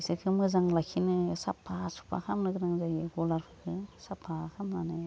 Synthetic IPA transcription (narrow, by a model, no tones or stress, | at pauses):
isɯkʰɯmɯzaŋlakʰinɯsapʰːasu̥pʰa̰kʰamnɯɡɯɾaŋzajɯɡɔlaɾpʰɯkʰɯsapʰːakʰamnanɯ